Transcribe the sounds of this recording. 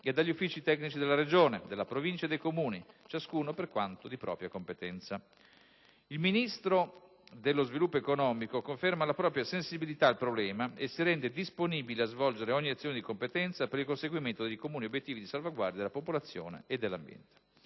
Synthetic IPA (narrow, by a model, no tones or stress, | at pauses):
ed̪aʎːiufːiːt͡ʃit̪ɛknit͡ʃid̪elːaɾed͡ʒoːned̪elapɾovint͡ʃaed̪ejkomuːnit͡ʃaskuːnoperkwant̪od̪ipɾʔɔ̰ːpɾjakompet̪ɛnt̪sa | ilminist̪ɾo | d̪elːozvilupːoekonɔːmikokoɱfermalapɾɔːpɾjasensibilit̪aːlpɾoblɛːmaesiɾɛnd̪ed̪isponiːbileazvɔld͡ʒeɾeɔɲːiat̪sjoːned̪ikompet̪ɛnt̪sapeɾilkonseɡwiment̪od̪ejkomuːniobːjet̪ːiːvid̪isalvaɡward̪jad̪elapopolat̪sːjo̰ːnḛed̪ːelːambjɛ̰nt̪e̥